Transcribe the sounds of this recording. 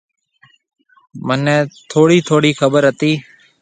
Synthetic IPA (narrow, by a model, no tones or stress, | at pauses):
mənɛ̃ːt̪ʰoːɽiːt̪ʰoːɽiːxʰəbəɾət̪iː